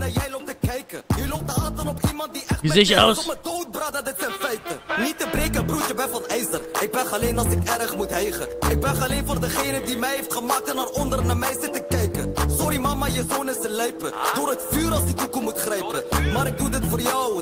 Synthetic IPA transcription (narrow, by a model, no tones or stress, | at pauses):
najɛjloptəkɛjkəjilop̚təaːtənɔpimɑnt̚diʔɛʋizɛjəɔwsədowt̚bradədɪtsɛnfɛjtənitəbreːkəbrut͡ʃəbɛfɑnɛjzərɪk̚bɛnxɑleːnɑlˠsɪkɛɾəχmutɦɛjχəʔɪk̚bɛnχɑleːnvoːrdəχejnədimɛjɦeftχəmaːk̚tənarɔndəɾnaːmɛjzɪtəkɛjkəsɔɾimamajəzoːnəstəlɛjpədoːɾɦətfyːɾɑlˠsitukumutχrɛjpəmaːɾɪk̚dudɪtfoːrjɔw